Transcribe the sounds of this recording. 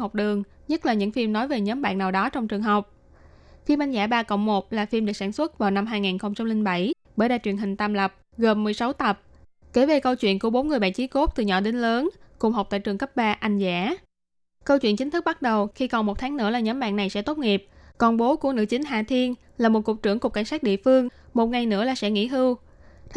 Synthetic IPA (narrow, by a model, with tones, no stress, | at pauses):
hə˨˩wk͡p̚ɗɨ˨˩əŋ | ɲə˦˥t̚laː˨˩ɲɨ̰˧˥ŋfi˧mnɔ˨˦jve˨˩ɲəː˨˦mɓa̰ː˧˨nːaː˨˩wɗɔ˨˦t͡ɕɔ˧wŋ͡mt͡ɕɨ˨˩əŋɦə˨˩wk͡p̚ | fi˧mʔa˧jn̟za̰ː˧˥ɓaː˧kə̰˧˨wŋ͡mmo˨˩t̚laː˨˩fi˧mɗɨ˨˩saː˧˩nswə˦˥t̚vaː˨˩wna˧mɦaː˧jŋaː˨˩nxə˧wŋ͡mt͡ɕa˧mlï˧ŋ̟ɓa˧˩j | ɓəː˧˩jɗaː˧˨jt͡ɕwḭ˧˩ənɦï˨˩ŋ̟t̪aː˧mlə˨˩p̚ | ɣə˨˩mːɨ˨˩əjsa˨˦wt̪ə˨˩p̚ | ke˧˩ve˨˩kə˧wt͡ɕwḭ˧˨ənku˧˩əɓo˨˦nŋɨ˨˩əjɓa̰ː˧˨nt͡ɕi˨˦ko˦˥p̚t̪ɨ˨˩ɲɔ̰˧˨ɗi˧˦ŋ̟ləː˨˦nkʊ˨˩ŋ͡mɦa˨˩wk͡p̚t̪a̰ː˧˨jt͡ɕɨ˨˩əŋkə˦˥p̚ɓaː˧ʔa˧jŋ̟za̰ː˧˥ | kə˧wt͡ɕwḭ˧˨ənt͡ɕï̟˨˦t̪ʰɨ˦˥k̚ɓa˦˥t̚ɗə˨˩wxi˧kɔ˨˩nmo˨˩t̚t̪ʰaː˨˦ŋnɨ̰˧˥əlaː˨˩ɲɔ˨˦mɓa̰ː˧˨na˨˩jsɛ̰˧˥t̪o˦˥t̚ŋi˨˩əp̚ | kɔ˨˩nɓo˨˦ku˧˩ənɨ̰˧˥t͡ɕï˨˦ŋ̟ɦaː˧˩t̪ʰi˧ən | laː˨˩mo˨˩t̚ku˨˩k͡p̚t͡ɕɨ˧˩əŋkʊ˨˩ka˧˩jŋsaː˦˥k̚ɗḭ˧˨əfɨ˧əŋmo˨˩t̚ŋa˨˩jnɨ̰˧˥əlaː˨˩sɛ̰˧˥ŋḭ˧˥ɦɨ˧w